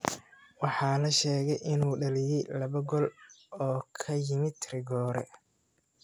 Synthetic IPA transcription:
wɑħɑːlɐʃɛːɣɛjʔɪnuːɖɐlɪjɛjlɐβɐɡɔlɔːkʰɐjɪmɪt̪ʰrɪɡɔːɾɛ̰

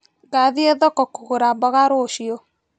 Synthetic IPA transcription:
ɡaðieðɔkɔkuɣuɾabɔɣaɾoʃio

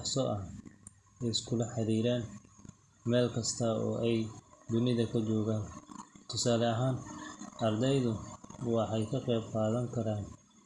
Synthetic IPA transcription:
ɑħsɔʔɐh | ɛjɪskʰʊlɐħɑɾiːɾaːn | mɛːlkʰɐst̪ʰɐɔ̰ːʔɛjd̪ʊnɪðɐkʰɐt͡ʃɔːɣaːnt̪ʰʊsaːlɛɐɦaːnɐrd̪ɛjðʊwɑħɑjkʰɐqɛːb̚qɑːðɐŋkʰɐɾaːn

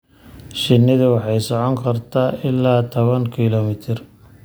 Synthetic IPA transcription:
ʃɪnːɪðʊwɑħɑjsɔʕɔŋkʰɐrt̪ʰaːʔɪlːaːt̪ʰɔβɐŋkʰilɔmɪt̪ʰɪr

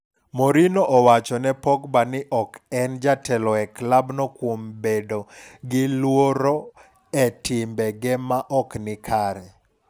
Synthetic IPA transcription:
moɾinoʔɔwat͡ʃɔnɛpɔkbanɪʔɔkɛnd͡ʒatʰɛlɔɛklabnɔkwombedoɡɪlwoɾɔ | ɛtɪmbɛɡɛmaʔɔknɪkʰaɾɛ

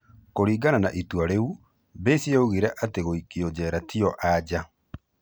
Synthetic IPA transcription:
koɾiːɡananaʔitwaɾeu | besieoɣiɾɛʔateɣoikiɔd͡ʑɛɾatʰiɔʔad͡ʒa

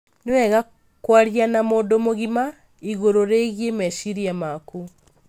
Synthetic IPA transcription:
newɛɣa | kwaɾianamoːdomoɣima | iɣoɾoɾeɣiemɛʃiɾiamaku

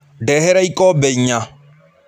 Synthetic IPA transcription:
ɖɛhɛɾaikʼɔbɛɲa

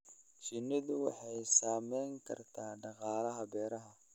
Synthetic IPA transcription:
ʃinid̪uwaħejsaːmeŋka̰ɾtadaɣaɾahabeɾaɦa

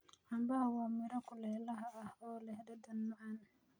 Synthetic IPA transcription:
ħɑmbɐɦɐwaːmɪɾɐkʰʊlɛːlɐɦɐɐhɔːlɛhd̪ɐd̪ɐnmɐʕɑn

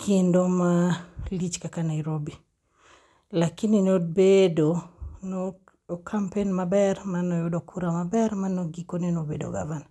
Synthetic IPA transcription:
kʰendomalit͡ʃkakanaiɾobi | lakininobedon | kʰampenmabɛrmanɔjʊdɔkʰuɾamabɛɾmanɔɡikonenobedo̰ɡa̰van

